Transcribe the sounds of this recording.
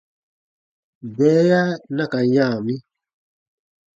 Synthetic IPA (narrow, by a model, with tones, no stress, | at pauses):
bɛ˨˦ja˦na˦ka˨jãː˦˨mi˦